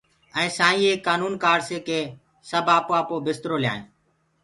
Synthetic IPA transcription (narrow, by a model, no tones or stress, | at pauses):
ɛ̃ːsãːĩːeːkːaːnuːnkaːɾseːkeː | səbaːpoːaːpoːbɪst̪ɾoːlɪja̰ːḛ̃ː